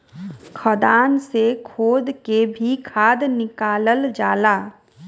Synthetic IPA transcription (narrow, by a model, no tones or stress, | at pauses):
kʰəd̪aːnsekʰoːd̪kebʱikʰaːd̪nɪkaːləld͡ʒaːlaː